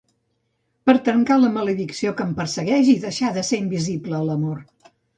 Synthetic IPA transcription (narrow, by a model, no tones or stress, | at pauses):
pəɾt̪əŋkaləmələðiksiokəmpəɾsəɣɛʒiðəʃaðəseimbizibləːləmor